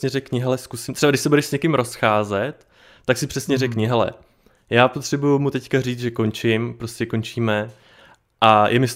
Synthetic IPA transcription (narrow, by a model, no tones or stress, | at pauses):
ɲɛrɛkɲɪɦɛlɛskusɪmt̪rɛbadɪʃsɛbudɛʃsɲɛkɪmɾo̞sxaːzɛt̪ː | aksɪpr̥ɛsɲɛrɛkɲɪɦɛlɛ̰ | jaːpot̪r̝̥ɛbujumut̪ɛckariːd͡zʒɛko̞nt͡ʃɪmpɾo̞scɛko̞nt͡ʃiːmɛ | ʔajʔɛmɪs